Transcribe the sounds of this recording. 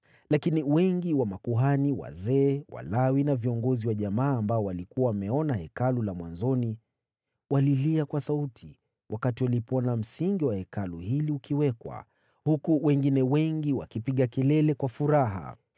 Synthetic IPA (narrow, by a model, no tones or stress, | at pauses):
lakiniwɛŋɡiwamakuɦaniwa̰zɛːwa̰lawinaviɔŋɡɔziwaʄamaːmbaɔwalikuwawamɛɔnahɛkalulamwa̰nzɔni | waliliakwasautʰi | wʔakatiwalipɔnam̩siŋɡiwahɛkaluhiliukiwɛkwa̰ | hukuwɛŋɡinɛwɛŋɡiwakipiɠakilɛlɛkwafuɾaɦa̰